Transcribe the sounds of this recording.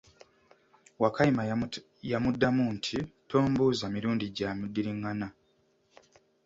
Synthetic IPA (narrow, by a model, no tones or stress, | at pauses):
wakaima | jamudːamuntʰitʰo̞ːmbuzamiɾuːndiɟaːmudːiɾiŋːana